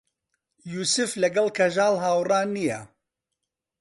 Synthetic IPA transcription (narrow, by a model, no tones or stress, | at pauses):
juːsɨflɐɡɐlkʰɐʒaːlɦaːwraːnijɛ